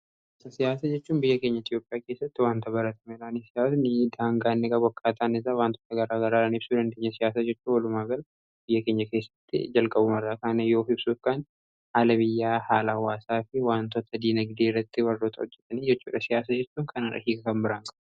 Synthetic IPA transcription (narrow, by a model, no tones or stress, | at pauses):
sɐsɪjaːsɐd͡ʒɛt͡ʃːuːnbɪjːɐke̞ːɲːɐɪt̪ʼjo̞ːpʼːɪjaːke̞ːsːɐt̪ːɪwaːnt̪ɐbɐɾɐt̪ʰɐmɛlaːnisɪjaːsnɪd̪aːŋɡaːnːɪkʼɐbɔkːaːt̪aːnɪzaːwaːnt̪ɔːt̪ɐɡɐɾaːɡɐɾaːɾaːnɪb̥suːd̪ɐnd̪eːɲːɐsɪjaːsad͡ʒɛt͡ʃːuːnwɐlʊmaːɡɐl | b̥ɪjːɐkeːɲːɐke̞ːsːɐ̥t̪ːɪ̰d͡ʒɐlkʼɐbʊmɐrːakaːnɐjo̞ːhɪbsuːfkaːn | haːlɐβɪjːaːhaːlɐwaːsaːfɪwaːnt̪ɔt̪ʰɐd̪iːnɐɡɪd̪eːrːɐt̪ːɪwɐrːɔt̪ʰʼɐhɔd͡ʒːɛt̪ɐniːd͡ʒɛt͡ʃːṵːᶑɐsɪjaːs̬ɐd͡ʒɛt͡ʃːuːŋkʰɐnɐrɐ̰hiːkɐkɐmbɪɾaːŋkʼɐb̥